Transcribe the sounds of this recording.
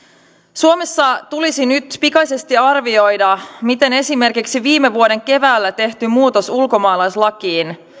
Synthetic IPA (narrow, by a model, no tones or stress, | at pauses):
suomesːɑt̪ulisinyt̪pikɑjse̞st̪iɑrʋio̞jdɑmit̪e̞ne̞sime̞rkiksiʋiːmeʋuo̞ɾe̞ŋke̞ʋæːlːæt̪e̞ht̪ymuːt̪o̞sulko̞mɑːlɑjslɑkiːn